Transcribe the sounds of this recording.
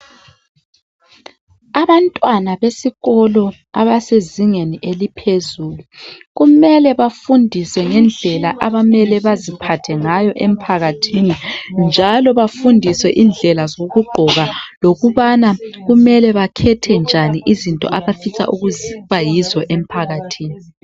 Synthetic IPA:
aβantʼwanaβesiɣɔlɔ | a̰βaseziŋeniʔelipʰezuluɣumɛlɛβafundʱiswɛŋɛnd͡ɮʱɛlaʔaβamɛlɛβazipʰatʰɛŋajɔʔem̩pʰaɣatʰinind͡ʒʱalɔβafundʱiswɛʔiːnd͡ɮʱɛlazoɣuɡ͡ǃʱɔɣaloɣuβanaɣumɛlɛβakʰɛtʰɛnd͡ʒʱaniʔizintʼɔ̰ʔaβafisʰa̰ʔuɣuzβajizɔʔem̩pʰaɣatʰiːni

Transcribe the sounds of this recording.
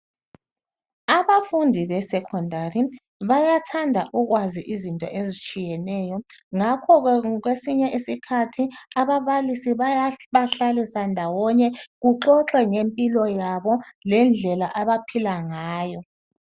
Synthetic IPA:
aβafundʱiβɛsɛkʰɔndʱari | βajatʰandʱaʔuɣwaziʔizintʼɔ̰ʔezit͡ʃʼijɛnɛjɔŋakʰɔɣɣwesiɲɛʔisikʰatʰiaβaβalisiβajaβaɬalisandʱawɔɲɛɣuǁɔǁɛŋempʼilɔjaβɔlɛnd͡ɮʱɛlaʔaβapʰilaŋaːjɔ

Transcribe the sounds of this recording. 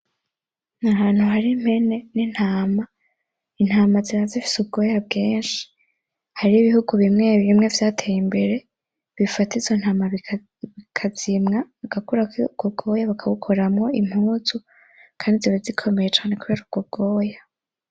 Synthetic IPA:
nahaːn̥huɦaɾim̥he̞ne̞nin̥haːma | in̥haːmaziɾazifi̥sub̚ɡo̞jab̚ɡeːnʃi̥ | haɾiiβihuɡuβimŋe̞βiβimŋe̞vjaːtʰejimbe̞ɾe̞ | βifatizo̞n̥haːmaβ | βikʰazimŋaaɡ̥akuɾakɡ̥oɡo̞ːjaβakʰaβukʰoɾamŋo̞im̥huːzu | kʰaːndizeβazikʰo̞me̞je̞t͡ʃaːnekuβe̞ːɾuɡɡ̥ob̚ɡ̥o̞ːja

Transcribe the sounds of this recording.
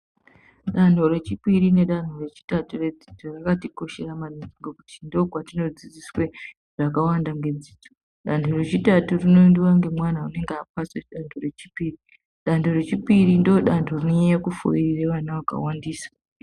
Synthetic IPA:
ɗan̤oɾe̞t͡ʃipiɾine̞ɗan̤ore̞t͡ʃi̥tature̞d͡zi̥tʰorakatiko̞ʃe̞ramanid͡ziŋɡokutindokwatino̞d͡zid͡ziswe | ʐ̥akawandaŋɡe̞d͡ziːto̥ | ɗantʰore̞t͡ʃitaturino̞ndiwaŋɡe̞mwanaune̞ŋɡeapasweɗantʰore̞t͡ʃipiːri | ɗantʰore̞t͡ʃipirindooɗantʰorino̞ejakufo̰irireʋanawaka̰wandiːsḁ

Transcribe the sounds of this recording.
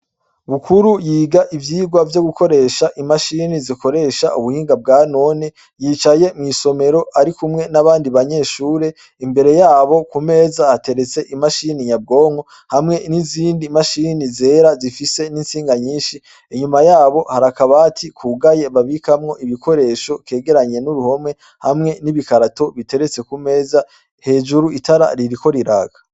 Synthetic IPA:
βukʰuɾujiːɡaʔivjiːɡwavjo̞ɡuko̞ɾe̞ːʃaʔimaʃiniziko̞ɾe̞ːʃaʔuβuhiːŋɡab̚ɡaːno̞ne | jiːt͡ʃaje̞mŋiːso̞me̞ɾo̞aɾikumŋe̞naβaːndiβaɲe̞ːʃuːɾe̞ | imbe̞ɾe̞jaːβo̞kume̞ːzahate̞ɾe̞t͡se̞ʔimaʃinijab̚ɡo̞ːŋo̞ | hamŋe̞niziːndimaʃiːnize̞ːɾazifise̞ninsiːŋɡaɲiːʃi | eɲumajaːβo̞haɾakaβatʰikʰuɡaje̞βaβikamŋo̞ʔiβiko̞ɾe̞ːʃo̞kke̞ːɡe̞ɾaɲe̞nuɾuho̞mŋe̞ | hamŋe̞niβikaɾato̞βite̞ɾe̞t͡se̞kume̞ːza | he̞ːd͡ʒuɾuitaɾa̰ɾiɾiko̞ɾiɾaɡa

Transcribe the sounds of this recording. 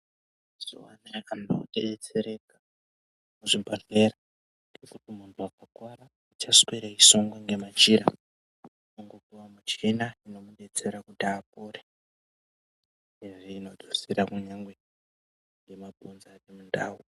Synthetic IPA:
z̥o̰wanaano̰ɗeet͡se̞ɾeka | muʐibʱaɮeɾa | ŋɡekutimuntʰuakakwaɾa | ut͡ʃaswiɾaisoŋɡwaŋɡe̞mat͡ʃiɾa | noŋɡokuwamut͡ʃinaino̞muɗet͡se̞ɾakutaːp̚oɾe | eʐiːno̞d͡zusiɾakuɲaŋɡwe̞ | ŋɡe̞mabʱunzanemundaːwu

